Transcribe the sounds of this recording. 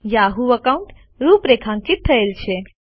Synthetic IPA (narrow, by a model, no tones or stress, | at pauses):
jaɦuəkaũɳʈ | ɾupɾekʰãŋkit̪ʰːəelt͡ʃʰe